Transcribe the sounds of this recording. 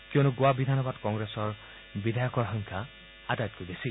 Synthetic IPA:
kjonuɡoabid̪ʱanɔbadkɔŋɡɹesɔɹ | bidʱajɔkɔɹɦɔŋkʰa | adajɔt̪̚kojɡesi

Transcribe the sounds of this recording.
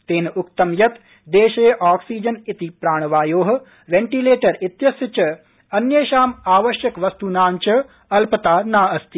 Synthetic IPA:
t̪eːnɐʊk̚t̪ɐmjɐt̪ | d̪eːʃeʔaːksiːd͡ʒɐnit̪ipɾaːɳ̃ʋaːjoːɦɐ̆ | ʋeɳʈileːʈɐɾit̪jɐsjɐt͡ʃɐ | ɐnjeːʃaːmaːʋɐʃjɐkʋɐst̪unaːnt͡ʃɐ | ɐlpɐt̪aːnaːɐst̪i

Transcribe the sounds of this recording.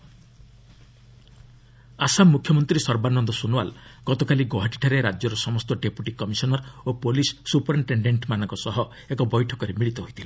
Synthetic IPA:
asamːukʰjɔmɔnt̪ɾisɔɾbanɔnd̪ɔsunwa̰lɡ̥ɔt̪ɔkaliɡoɦaʈi̥ʈʰaɾeɾad͡ʒjɔɾɔsɔmɔst̪ɔɖepuʈikɔmisɔnɔɾopolisːupɔɾiɳʈeɳɖeɳʈmanɔŋkɔsɔɦɔ | ekɔbɔjʈʰɔkɔɾemiɭit̪ɔɦojt̪ʰile

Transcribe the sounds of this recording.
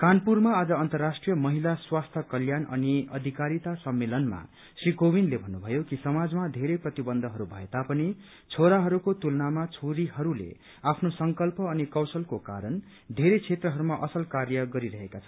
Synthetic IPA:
kanpurmaːd͡zʌʌnt̪ʌrːasʈrijʌmʌɦilaswast̪ʰʌkʌljanʔʌ̰niʌ̰d̪ʱikaɾit̪asʌmːelʌnma̰ | srikobinlebʱʌnːubʱʌjokisʌmad͡zmad̪ʱeɾeprʌt̪ibʌnd̪ʱʌɦʌɾubʱʌ̰et̪apʌni | t͡sʰoɾaɦʌɾukot̪ulnamat͡sʰoɾiɦʌɾulḛ | apʰnosʌŋkʌlpʌːnikʌwsʌlkoka̰ɾʌn | d̪ʱeɾet͡sʰet̪rʌɦʌɾumaʔʌsʌlkarjʌɡʌɾiɾʌɦekat͡sʰʌn

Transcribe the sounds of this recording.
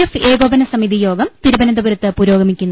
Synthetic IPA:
efeːɡoːbɐnɐsɐmid̪ijo̞ːɡɐmt̪iɾubɐnɐnd̪ɐbuɾɐt̪ːɨpuːɾoːɡɐmikʲːunːu

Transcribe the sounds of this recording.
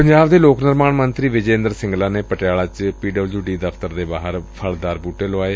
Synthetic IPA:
pəɲd͡ʒaːbd̪eːloːknɪɾmaːɳmənt̪ɾiːʋɪd͡ʒeːnd̪əɾsɪ̃ŋɡlaːneːpəʈɪjaːɭaːt͡ʃpiːɖəbld͡ʒjuːɖiːd̪əpʰt̪əɾd̪eːbaːɦəɾpʰəld̪aːɾbuːʈeːloaːeː

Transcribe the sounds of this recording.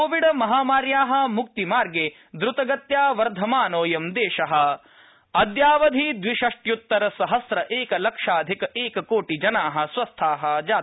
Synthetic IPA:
koːʋiɖɐmɐɦaːmaːɾjaːɦɐ̆muk̚t̪imaːɾɡeː | d̪ɾut̪ɐɡɐt̪jaːʋɐɾd̪ʱɐmaːnoːjɐmd̪eːʃɐɦɐ̆ | ɐd̪jaːʋɐd̪ʱid̪ʋiʃɐʂʈjut̪ːɐɾɐsɐɦɐsɾɐʔeːkɐlɐkʂaːd̪ʱikɐʔeːkɐkoːʈid͡ʒɐnaːɦɐ̆sʋɐst̪ʰaːɦɐd͡ʒaː

